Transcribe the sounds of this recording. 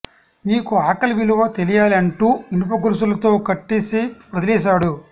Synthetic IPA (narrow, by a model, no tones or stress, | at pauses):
niːkuaːkɐlʋiluʋɐt̪e̞lijaːliɐɳʈuːinup̬ɐkuɾus̬ulɐt̪o̞ːkɐʈːiːsipɾɐd̪ɐlɛːʃ̬aːɽu